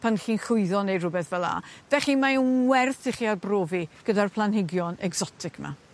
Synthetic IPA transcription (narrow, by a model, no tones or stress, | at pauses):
pʰanχiːnɬʊɨðɔnejrʊbɛθvɛlˠa̰d̥ɛχimaənwɛrθɪχiːarbroːviɡ̥ədarpʰlˠanhɪɡjɔnɛɡz̥ɔtʰɪkʰma̰